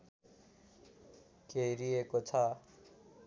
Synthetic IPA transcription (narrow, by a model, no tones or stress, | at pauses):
kejɾiekot͡sʰʌ